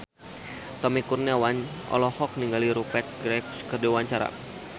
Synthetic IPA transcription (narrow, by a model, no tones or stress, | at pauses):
t̪ɔmikurnawaɲ | ɔ̰lɔhɔk̚niŋɡaliɾupɛt̪̚ɡɾɛpskərdiwaɲt͡ʃaɾa̰